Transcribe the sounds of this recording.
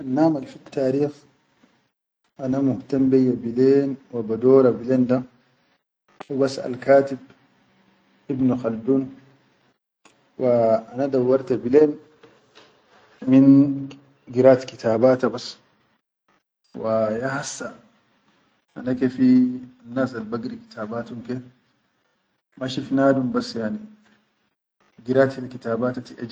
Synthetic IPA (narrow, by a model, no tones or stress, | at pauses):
ʔanːaːmalfit̪ʰːaːɾiːx | ʔanamuht̪ambejːabileːnwabad̪ɔːɾabileːnd̪a | ubasa̰lkaːt̪ib̚ | ʔibnuxalduːn | waʔanad̪awːɑɾˤt̪abileːn | mɪn | ɡɪɾaːt̪kɪt̪ʰaːbaːt̪abɐs | wajahasːa | ʔa̰nakefianːaːsalbaɡɾikɪ̥t̪ʰaːbaːt̪umke | maʃifnaːd̪umbɐsːjaʕni | ɡɪɾaːt̪kɪt̪aːbaːt̪at̪iʔad͡ʒ